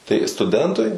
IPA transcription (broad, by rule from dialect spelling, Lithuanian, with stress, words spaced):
tɐɪ stʊˈdʲɛntʊɪ